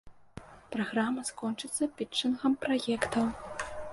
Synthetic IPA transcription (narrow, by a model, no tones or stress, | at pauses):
pɾaɣramɐskɔnt͡ʂɨt̪sɐpʲit͡ʂːɨnxɐmpɾajɛkt̪ɐw